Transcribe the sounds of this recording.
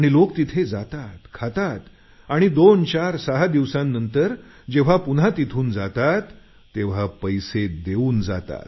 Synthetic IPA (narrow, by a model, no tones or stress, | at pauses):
aɽ̃ilokt̪it̪ʰed͡zat̪at̪kʰat̪at̪ | aɽ̃id̪ont͡ɕaɾsaɦad̪iʋsãnːənt̪əɾ | d͡ʑeʋ̤apun̤at̪it̪ʰuːnd͡zat̪at̪ː | eʋ̤apəjsed̪euːnd͡za̰t̪a̰t̪